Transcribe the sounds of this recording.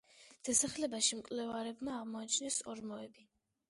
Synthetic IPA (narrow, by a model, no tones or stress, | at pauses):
d̪̥asaχlɛbaʃimkʼlɛvaɾɛbmaːʁmɔat͡ʃʰnɛsɔɾmɔɛbi